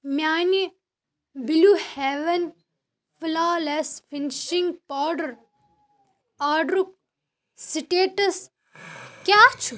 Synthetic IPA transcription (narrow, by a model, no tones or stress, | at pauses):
mjaːni | biluhɛʋɐn | fulaːlesfinʃiŋɡ̚paːɖɐɾ | aːɖɾuk̚ | siʈeːʈɐs | kjaːt͡ʃʰu